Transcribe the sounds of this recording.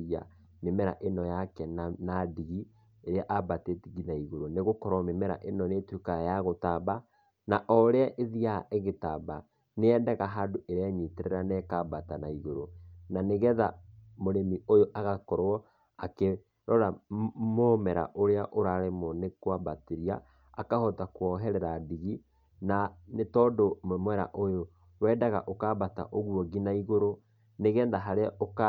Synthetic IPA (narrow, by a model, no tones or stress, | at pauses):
a̰ | memɛɾa̰ʔenɔjakɛnnadiɣi | eɾeaʔabatetiɣinaiɣoɾoneɣokɔɾɔmemɛɾa̰ʔenɔneːtwekajaɣotaba | naʔɔɾeaʔeðiaeɣetaba | neɛːndaɣaɦadoʔeɾeaɲiteɾɛɾanɛkabatanaiɣoɾonaneɣɛðamoɾemiojoʔaɣakɔɾɔ | ake | ɾɔɾamomɛɾa̰ʔoɾeaʔoɾaːɾemɔnekwabateɾia | a̰kahɔtakwɔɦɛɾɛɾadiɣi | nanetɔːdommwɛɾa̰ʔojo | wɛːdaɣa̰ʔokabata̰ʔoɣuɔɡinaiɣoɾo | neɣɛnðaɦaɾeaʔoka